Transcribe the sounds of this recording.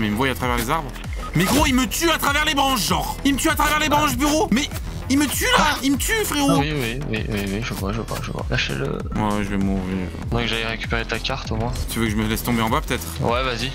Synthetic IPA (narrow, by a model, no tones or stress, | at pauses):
mɛilməvwajat̪χavɛʁlezaʁbʁ | meɡʁoilmət̪yat̪χavɛʁlebʁɑ̃ʃʒɔ̃ʁilmət̪yat̪χavɛʁlebʁɑ̃ʃbyʁomɛ | ilmət̪ylaimət̪yfχeowiwiwiwiwiʒəvwaʒəvwa̰ʒə̰vwa̰laʃḛlə̰ | mwaʒəvɛmɔvḛ | d̪ɔ̃kʒalɛʁekʲy̥peʁet̪akaʁt̪omwɛ̃t̪yvøkəʒəməlɛst̪ɔ̃beɑ̃bapø̥t̪ɛt̪χwɛvazi